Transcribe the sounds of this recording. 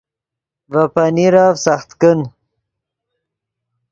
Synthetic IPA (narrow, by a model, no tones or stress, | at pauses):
vapaniɾaːvsaχt̪kən